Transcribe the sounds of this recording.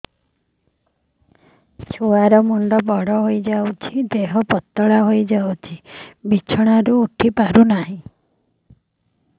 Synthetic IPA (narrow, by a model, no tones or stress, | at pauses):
t͡ʃʰuaɾɔmuɳɖɔbɔɽɔɦojd͡ʒawt͡ʃʰid̪eɦɔpɔt̪ːɔɭaɦojd͡ʒawt͡ʃʰibit͡ʃʰɔɽ̃aɾuːʈʰipaɾunaɦĩ